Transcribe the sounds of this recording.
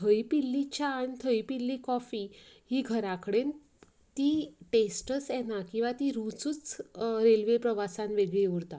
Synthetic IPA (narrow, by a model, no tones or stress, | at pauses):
t̪ʰəjpilːit͡ɕaːɽ̃it̪ʰəjpilːikɔfiɦiːɡʱəɾãkəɽen | t̪iːʈesʈəsɛnakĩw̃ʋat̪iɾut͡sut͡sɾelʋepɾəʋasãnʋeɡɭioɾt̪a